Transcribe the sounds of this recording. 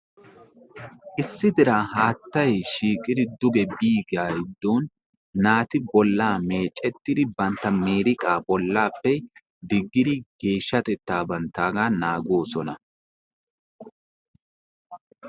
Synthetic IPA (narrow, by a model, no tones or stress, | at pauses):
ʔɪsːɪd̪ɪɾaːɦaːt̪ːɐjʃiːkʼɪd̪ɪd̪ʊɡɛbiːɡjaːjɪd̪ːoːnː | aːt̪ɪbɔlːaːme̞ːt͡ʃʼːɛt̪ːɪd̪ɪbɐnt̪ːɐmeːɾɪkʼaːbɔlːaːpːɛ | d̪ɪɡːɪd̪ɪɡe̞ːʃːɐt̪ɛt̪ːaːbɐnt̪ːaːɡaːnaːɡo̞ːsɔnɐ